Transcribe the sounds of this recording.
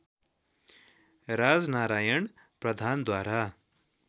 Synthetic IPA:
ɾad͡znaɾajʌɳ | prʌd̪ʱand̪waɾa

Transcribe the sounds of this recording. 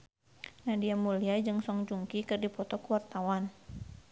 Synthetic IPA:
nadiamuliad͡ʒɨŋsɔŋd͡ʒuŋkikɨrdipɔt̪ɔkuwart̪awan

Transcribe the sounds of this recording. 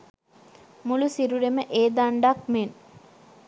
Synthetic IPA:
mulusiɾuɾeməʔeːd̪aɳɖak̚men

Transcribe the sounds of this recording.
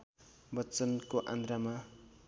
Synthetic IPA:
bʌt͡sʌnkoʔã̰nd̪ɾama

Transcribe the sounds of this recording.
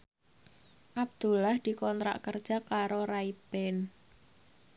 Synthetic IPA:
ʔab̚d̪̥ṳlahd̪̥i̤kɔnt̪ɾa̰ʔkərd̥ʒ̥a̤kaɾoɾaib̥ɛn

